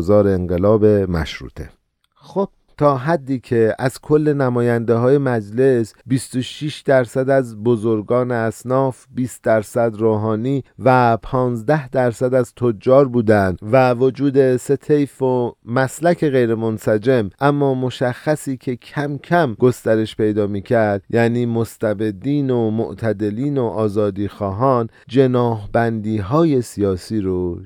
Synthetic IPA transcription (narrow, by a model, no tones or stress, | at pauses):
zɒːɾeːŋɢelɒːbe̞mæ̰ʃɾṵːt̪ʰe̞̰ | xob̥̚ | t̪ʰɒːɦæd̪ːiːcʰe̞æzkʰo̞lːe̞næmɒːjænd̪e̞ɦɒːje̞mæd͡ʒle̞sbist̪o̞ʃiʃd̪æɾsæd̪æzbo̞zo̞ɾɡɒːneæsnɒːfbiːst̪̚d̪æɾsæd̪ɾoːɦɒːniːvæpʰɒːnzd̪æhd̪æɾsæd̪æzt̪ʰod͡ʒːɒːɾbuːd̪ænd̪vævod͡ʒuːd̪e̞se̞t̪ʰe̞jfomæslæcʰe̞ɣe̞jɾe̞mo̞nsæd͡ʒe̞mʔæmːɒːmo̞ʃæxːæsiːcʰe̞cʰæmcʰæmɡo̞st̪æɾe̞ʃpʰe̞jd̪ɒːmiːcʰæɾd̪jæːniːmost̪æbe̞d̪iːnomo̰ʔt̪ʰæd̪e̞liːnoʔɒːzɒːd̪iːxɒːɦɒːn | d͡ʒe̞nɒːhbænd̪iːɦɒːje̞sijɒːsiːɾo